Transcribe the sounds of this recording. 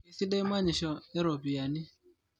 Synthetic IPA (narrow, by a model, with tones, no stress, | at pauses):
i˨˦si˦ɗe˦m˦a˦ɲi˨ʃɔ˨ɛ˦ɾɔ˨bi˨a˨ni˦